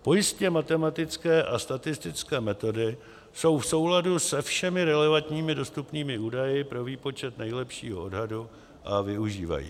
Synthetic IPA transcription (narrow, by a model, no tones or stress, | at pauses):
po̞jɪscɛmat̪ɛmat̪ɪt͡skɛːʔast̪at̪ɪst̪ɪt͡skɛːmɛt̪o̞dɪ | so̞wfso̞wladusɛfʃɛmɪɾɛlɛvant̪ɲiːmɪdo̞st̪upniːmɪuːdajɪpɾo̞viːpo̞t͡ʃɛt̪nɛjlɛpʃḭːɦoodɦadu | ʔavɪuʒiːva̰jḭː